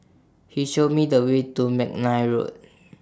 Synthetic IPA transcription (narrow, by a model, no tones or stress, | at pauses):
hiʃod̚midəwetumɛk̚najɹo̰t̚